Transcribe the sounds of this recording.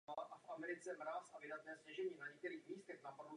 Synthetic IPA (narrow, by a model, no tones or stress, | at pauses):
aʔafʔamɛɾɪt͡sɛmɾaːsʔavɪdat̪nɛːscɛʒɛɲiːnaɲɛkt̪ɛɾiːxmiːst̪ɛxnapadu